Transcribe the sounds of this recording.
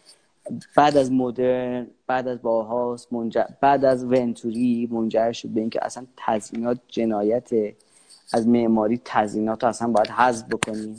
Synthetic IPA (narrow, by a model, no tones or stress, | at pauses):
b̥æːd̪æzmod̪eɾɾnb̥æd̪æzbɒːɦɒːsmond͡ʒæbæd̪æzvent̪ʰuɾiːmond͡ʒæɾʃod̪̚beiːŋcʰḛʔæ̰sænt̪ʰæzinɒːt̪̚ʰd͡ʒe̞nɒːjæt̪ʰe | æzmeʔmɒːɾiːt̪ʰæziːnɒːt̪ʰoæsænbɒːjæd̪hæzbbokʰo̞niː